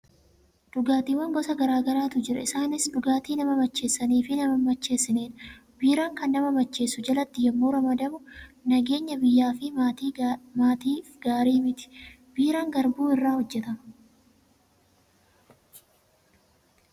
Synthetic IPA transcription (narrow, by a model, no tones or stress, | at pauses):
d̪̥ʊɡaːt̪iːwɐŋɡɔsɐɡɐɾaːɡɐɾaːt̪ʊd͡ʒɪɾɐ̰ɪsaːnɪsd̪ʊɡaːt̪iːnɐmɐmɐt͡ʃːe̞ːsːɐniːfɪnɐmɐmɐt͡ʃːe̞ːsːɪneːnb̥iːɾaːŋkɐnːɐmɐmɐt͡ʃːe̞ːsːʊd͡ʒɐlɐt̪ːɪjɐmːoːɾɐmɐd̪ɐmʊnɐɡe̞ːɲːɐbɪjːaːfɪ | maːt̪iːfɡ̥aːɾiːmɪt̪ɪ̥ | b̥iːɾaːŋɡɐɾbuːɪrːaːhɔd͡ʒːɛt̪ɐmɐ